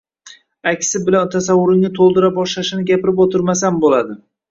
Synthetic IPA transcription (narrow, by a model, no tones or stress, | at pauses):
akʲsɪbɪlant̪ʰasawːʊɾɪŋnɪt̪ʰolˠd̪ɪɾabɒʃlaʃɪnɪɡʲapɪɾɪpot̪ʰɪɾmasanbolad̪ɪ